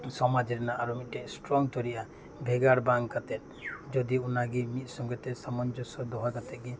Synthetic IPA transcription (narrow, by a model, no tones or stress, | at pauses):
sɔmad͡ʒɾɛnaʔaɾumiʈɛsʈɾɔŋt̪ɔɾiʔa | bʱeɡaɽbaŋkat̪ɛt̪ | d͡ʒɔd̪iunaɡimit̪̚ˀsɔŋɡɔt̪esamɔnd͡ʒɔsɔd̪ɔɦakat̪ɛʔɡi